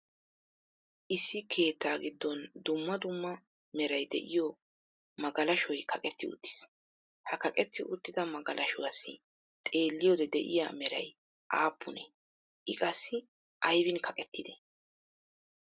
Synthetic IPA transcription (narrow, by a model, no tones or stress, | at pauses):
ʔɪsːɪkʰe̞ːt̪ːaːɡɪd̪ːɔnd̪ʊmːɐd̪ʊmːɐ | mɛɾɐjd̪ɛ̰ʔɪjo | mɐɡɐlɐʃɔjkʰɐkʼɛt̪ːɪʊ̰t̪ːɪ̥s | hɐkɐkʼɛt̪ːɪʔʊt̪ːɪd̪ɐmɐɡɐlʔɐʃʊwasːɪ | t̪ʼe̞ːlːɪjoːd̪ɛd̪ɛ̰ʔɪ̰ja̰mɛɾɐ̰j | ʔaːpʰːʊnɛ | ʔɪkʼɐsːɪ | ʔɐjbɪnkʰɐkʼɛt̪ːɪd̪ɛ